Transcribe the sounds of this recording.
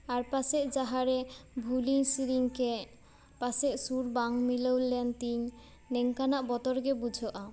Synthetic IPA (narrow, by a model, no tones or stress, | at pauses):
aɾpaseʔd͡ʑaɦaɾebʱulinsiɾiŋke | paseʔsuɾbaŋmilowlent̪iɲ | neŋkanaʔbɔt̪oɾɡebud͡ʑʱoʔa